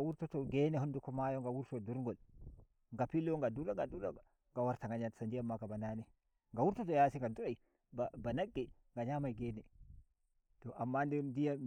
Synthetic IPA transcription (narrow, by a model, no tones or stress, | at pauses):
awuɾtutɔɡɛːnɛɦundukɔmajɔŋɡawuɾtɔduɾŋɡɔl | ŋɡapilːɔŋɡaduɾaŋɡaduda | ŋɡawaɾtaŋɡaɲansandijamːakabananɛ | ŋɡawuɾtutɔjasiŋɡaduɾaj | babanaɡːɛ | ŋɡaɲamajɡɛːnɛ | tɔʔamːandimdijam